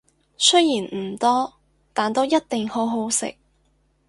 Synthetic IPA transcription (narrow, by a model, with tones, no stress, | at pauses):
sɵ˥jjiː˨˩nm̩˨˩t̪ɔː˥ | t̪aː˨nt̪o˥wjɐ˥t̚t̪ɪ˨ŋho˨˥wɦo˨˥wsɪ̰˨k̚